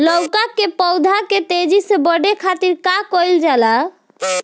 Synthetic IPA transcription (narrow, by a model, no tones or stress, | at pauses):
lɔwkakːepɔwd̪ʱaket̪ed͡ʒisebəɖekʰat̪iɾkakɔjld͡ʒala